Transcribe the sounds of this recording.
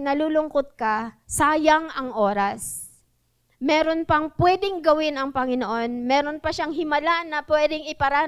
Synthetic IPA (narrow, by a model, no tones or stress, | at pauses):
nɐlulʊŋkot̪̚kɐsaːjɐŋɐŋʔo̞ːɾas | mɛːɾo̞npɐŋpwɛːd̪ɪŋɡɐwɪnɐŋpɐŋɪnoʔo̞nmɛːɾo̞npɐʃaŋɦɪmɐlanɐpwɛːd̪ɪŋɪpɐɾa